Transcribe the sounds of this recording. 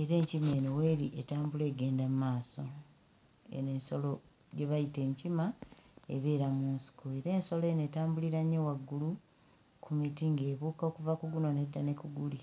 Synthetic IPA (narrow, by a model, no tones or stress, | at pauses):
e̞ɾe̞ːɲcime̞ːnoweːɾiʔetaːmbule̞ːɡe̞ːndammaːso̞ | ḛnenso̞lo̞ | ɟe̞βajite̞ːɲcimae̞βe̞ːɾamuːnsi̥koe̞ɾe̞ːnso̞loːne̞ːtaːmbuliɾaɲːewaɡːulu | kʰumitiŋɡe̞ːβuːkaokuvakuɡuno̞ne̞dːane̞kuɡuli